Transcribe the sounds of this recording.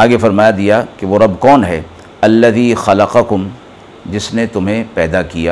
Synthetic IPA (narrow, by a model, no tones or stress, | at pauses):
aːɡefɐɾmaːjad̪ijakeʋoɾɐbkɔːnɦɛː | ɐlːɐðiːxɐlɐqɐkʊm | d͡ʒɪsnet̪ʊmɦẽpɛːd̪akijaː